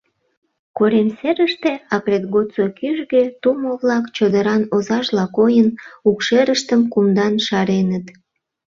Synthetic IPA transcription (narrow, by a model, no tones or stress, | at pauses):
koɾemseɾəʃt̪eɑkɾet̪ɣot͡sokyʒɣet̪umoβlɑkt͡ɕod̪əɾɑnozɑʒlɑkojənukʃeɾəʃt̪əmkumd̪ɑnʃɑɾenət̪